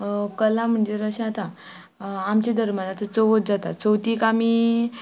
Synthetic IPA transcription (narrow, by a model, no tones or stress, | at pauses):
kəlam̤əɳd͡zeɾəɕat̪ã | amt͡ɕed̪ʱəɾmalat͡sət͡soʋət̪̚d͡zat̪a̰t͡səwt̪iːkami